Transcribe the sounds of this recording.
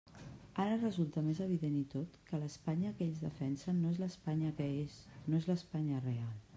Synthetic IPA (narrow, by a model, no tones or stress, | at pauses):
aɾərəzulˠt̪əmezəβ̞iðenit̪ot̪kələspaɲəkeʎzðə̰fɛnsənːoezləspaɲəkəesnoezləspaɲərealˠ